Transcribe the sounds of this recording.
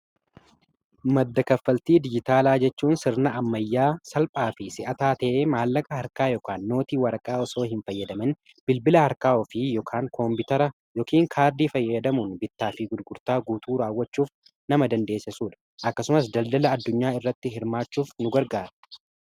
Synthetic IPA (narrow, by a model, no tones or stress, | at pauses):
mɐd̪ːɐkɐfːɐlt̪iːd̪ɪd͡ʒɪt̪aːlaːd͡ʒɛt͡ʃːuːnsɪɾnɐʔɐmːɐjːaːsɐlpʼaːfɪsɪʔɐt̪aːt̪ɐʔeːmaːlːɐkʼɐhɐɾkaːjɔkaːnːo̞ːt̪iːwɐɾɐkʼaːɔso̞ːhɪnfɐjːɐd̪ɐmɐn | b̥ɪlbɪlɐhɐɾkaːɔfɪjɔkʰaːŋkʰɔmbɪt̪ɐɾɐ | jɔːkiːŋkʰaːɾd̪iːfɐjːɐd̪ɐmunbɪt̪ːaːfɪɡʊd̪ɡʊɾt̪aːɡuːt̪uːɾaːwːɐt͡ʃːuːf | nɐmɐd̪ɐnd̪e̞ːsɪsuːᶑɐ̥ | ʔɐkːɐsʊmɐs̬d̪ɐld̪ɐlɐːd̪ːʊɲːaːɪrːɐt̪ːɪɦɪɾmaːt͡ʃːuːfnʊɡɐɾɡaːɾɐ̥